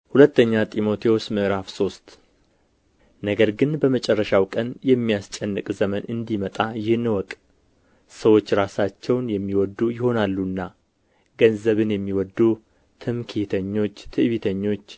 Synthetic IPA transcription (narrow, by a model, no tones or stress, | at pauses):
hulət̪ʰːəɲːat̪ʼimo̞t̪ʰewosmɨʔɾafso̞st̪ | nəɡəɾɡɨnbəmət͡ʃʼɛrːəʃawkʼənjɛmːijast͡ʃʼɛnːɨkʼzəmənɨnd̪imət̪ʼajɪhɨnɨwɔkʼ | səwo̞t͡ʃːɾasat͡ʃːɛwnjɛmːiwɔd̪ːujɪho̞nalːunːa | ɡənzəβɨnjɛmːiwɔd̪ːu | t̪ʰɨmkʰet̪ʰəɲːo̞t͡ʃːt̪ʰɨʔβit̪ʰəɲːo̞t͡ʃː